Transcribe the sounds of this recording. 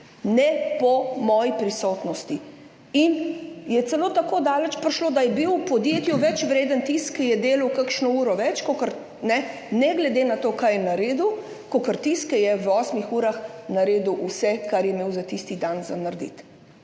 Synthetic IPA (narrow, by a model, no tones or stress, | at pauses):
nɛpɔmɔːjipɾisɔːt̪nɔst̪i | injɛt̪sɛloːt̪akoːd̪aːlɛt͡ʃpɾiʃloːd̪ajɛbiwpɔd̪jet̪juʋɛt͡ʃʋɾeːd̪ənt̪iskːɛjɛd̪eːlawkakʃnɔuːɾɔʋɛt͡ʃkokəɾ | nɛ | nɛɡlɛd̪eːnat̪oːkajɛnaɾed̪u | kokəɾt̪iskɛjɛwɔːsmixuːɾaxnaɾeːd̪uwʔusɛkaɾjɛmeːwzat̪ist̪id̪anza̰naɾd̪ḭt̪